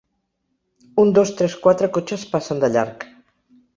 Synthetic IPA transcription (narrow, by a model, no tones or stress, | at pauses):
und̪ost̪ɾɛskwat̪ɾəkot͡ʃəspasənd̪əʎa̰ɾk